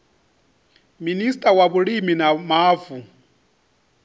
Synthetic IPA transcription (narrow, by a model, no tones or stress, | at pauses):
ministʼawaβuɺiminamaːvu